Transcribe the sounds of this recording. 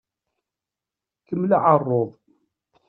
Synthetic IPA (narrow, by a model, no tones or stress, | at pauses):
kəmːlaʕərˤːoðˤ